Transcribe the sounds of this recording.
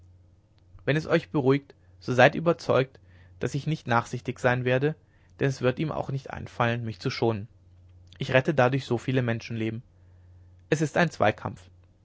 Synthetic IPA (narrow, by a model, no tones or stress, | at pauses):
vɛnɛsʔɔʏçb̥əʁuɪkt | z̥oːzaɪtʔyːbɐt͡sɔʏk̚t | d̥asɪçnɪçtnaːχz̥ɪçtɪçz̥aɪnveːɐdə | d̥ɛnɛsv̥ɪɐtiːmʔa̰ʊxnɪçtʔa̰ɪnfalənmɪçt͡suʃoːnən | ʔɪçʁɛtədadʊɐçz̥oːfiːləmɛnʃn̩leːbm̩ | ʔɛs̬ɪstaɪnt͡sv̥a̰ɪkʰa̰mp͡f